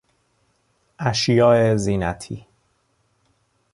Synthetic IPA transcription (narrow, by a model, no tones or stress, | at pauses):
ʔæʃjɒːeziːnæt̪ʰḭː